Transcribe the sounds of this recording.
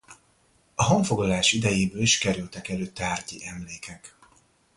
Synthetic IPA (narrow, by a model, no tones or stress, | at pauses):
ɒɦɒɱfo̞ɡlɒlaːʃid̪ɛjeːbøːliʃkɛɾylt̪ɛkɛløːt̪aːrcḭʔɛmleːkɛk